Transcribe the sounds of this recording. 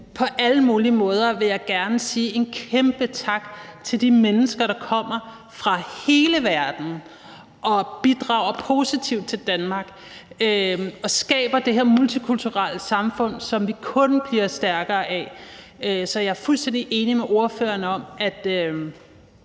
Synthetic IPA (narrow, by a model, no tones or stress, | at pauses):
pʰɒ̽ʔæləmuːliəmɔ̽ːð̞ˠɐʋe̝jɑ̈ɪɡ̥æɐnəsiːʔe̝nkʰemb̥ət͡sʰɑ̈ɡ̥t͡sʰe̝ld̥imenəsɡ̥ɐɾɑ̈kʰɒ̽m̰ɐ | fʁɑ̈he̝ːləʋæɐd̥n̩ | ʔɒ̽b̥id̥ʁɑ̈ʊ̰ɐpʰo̝sit͡sʰiʊd̥̚t͡sʰe̝ld̥ænmɑ̈ɡ̥ | øɒ̽sɡ̥ɛ̰ːb̥ɐd̥e̝ɦeɐ̰mult͡sʰikʰult͡sʰuʁal̰əsɑ̈mfɔ̽n̰sɒ̽mʋikʰɔ̽nb̥liɐsd̥æɐɡ̥ɐːʔɛ | øsɒ̽jɑ̈æɐfulsd̥en̰d̥iʔe̝ːnimeʔo̝ɐfø̰ːɐnəɒ̽mæd̥ø